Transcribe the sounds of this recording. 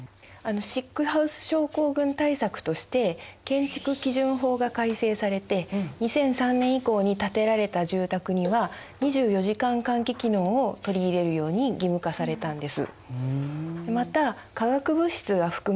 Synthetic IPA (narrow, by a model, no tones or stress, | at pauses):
ano̞ɕikːɯ̟haɯ̟sɨ̥ɕo̞ːko̞ːɡɯ̟̃nt̪aisakɯ̟̥t̪o̞ɕi̥t̪e̞kẽ̞ɲ̟t͡ɕi̥kɯ̟kʲiʑɨ̃ɰ̃ɦo̞ːɡakaise̞ːsaɾe̞t̪e̞ɲ̟isẽ̞ɰ̃sãnːẽɰ̃iko̞ːɲ̟it̪at̪e̞ɾaɾe̞t̪aʑɨːt̪akɯ̟ɲ̟iβa | ɲ̟iʑɨːjo̞ʑikãŋkãŋkʲikʲino̞ːot̪o̞ɾʲiːɾe̞ɾɯ̟jo̞ːɲ̟iɡʲimɯ̟kasaɾe̞t̪ãnd̪e̞sɨ̰ | d̪emat̪a | kaɡakɯ̟bɯ̟ɕi̥t͡sɨɡaɸɯ̟̥kɯ̟